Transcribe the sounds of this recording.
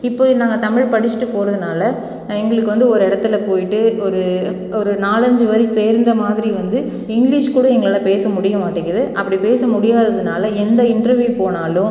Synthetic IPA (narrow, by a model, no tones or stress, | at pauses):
ɪpːoːnaːŋɡɐt̪ɐmɪɻpɐɽɪt͡ʃːɪʈːɯpːoːɾɐðɯnaːlɐ | ɛŋɡɐɭɯkːɯʋɐnd̪ɯɔɾɯɪɽɐt̪ːɪlɐpoːjɪʈːɯɔɾɯ | ɔɾɯnaːlɐɲd͡ʒɯʋɐɾiseːɾnd̪ɐmaːðɪɾiʋɐnd̪ɯ | ɪŋɡɭɪʂkuːɽɐ̃ɛŋɡɐɭɐlɐpeːsɐmʊɽɪjɐmaːʈːɪŋɡɐðɯʔɐpːɐɽipeːsɐmʊɽɪjaːðɐðɯnaːlɐɛnd̪ɐɪɳɖɾɐɾʋjuːpoːnaːlʊ̃